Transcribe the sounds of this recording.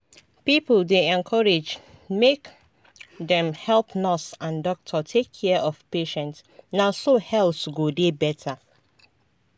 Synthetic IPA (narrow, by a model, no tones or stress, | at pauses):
pipldeɛ̃nkʰɔɹed͡ʒ | mek | ðɛ̃mhɛlˠpnɔsãndɔk̚tʰɔtʰekʰːɛʔɔvpeʃɛ̃ntsnaʊsohɛlˠsɡodebɛtʰə